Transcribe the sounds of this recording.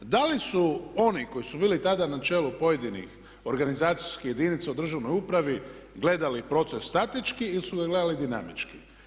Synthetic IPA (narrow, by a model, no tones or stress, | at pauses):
d̪alisuo̞niko̞jisubiːlit̪ad̪anat͡ʃe̞ːlupo̞je̞d̪inḭx | o̞ɾɡanizaːt̪sijskije̞d̪init̪saud̪r̩ʒaʋno̞jupɾaʋi | ɡle̞d̪alipɾo̞t̪sesːt̪at̪it͡ʃkiilisuɡaɡle̞d̪alid̪ina̰mit͡ʃki